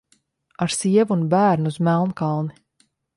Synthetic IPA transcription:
aɾsiɛvuːnbæːɾnuuzmælˠnkɑlˠni

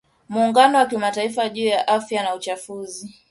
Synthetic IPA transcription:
muːŋɡanɔwakimataifaʄuːjaʔafjanaut͡ʃafuzi

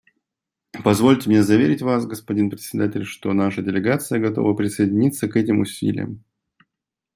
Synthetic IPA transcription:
pɐzvo̞lʲtʲɪmnʲezɐvʲeɾʲɪtʲvas̬ɡəspɐdʲinpɾʲɪt̪ʲsʲɪd̪atʲɪlʲʂt̪o̞naʂədʲɪlʲɪɡat̪sɨjəɡɐt̪o̰vəpɾʲɪsəjɪdʲɪnʲit̪səkɛtʲɪmʊsʲḭlʲɪ̰jə̰m

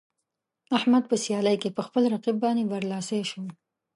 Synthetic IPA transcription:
ahmad̪̚pəsjɑləjkepəxpəlɾaqibːɑnebaɾlɑseʃo

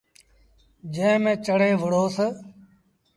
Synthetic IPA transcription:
d͡ʒẽːmẽːt͡ʃəɽeːʋəɽoːsə

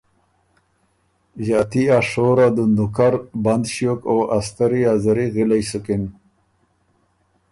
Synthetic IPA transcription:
ʒaːt̪iaʂoɾad̪und̪ukaɾband̪ɕjokoast̪aɾiazaɾiɣilajsukɪn

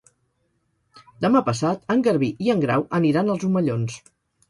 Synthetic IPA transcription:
d̪əmapəsat̪əŋɡəɾβ̞iʔiəŋɡɾa̰wʔəniɾanəlˠzuməʎons

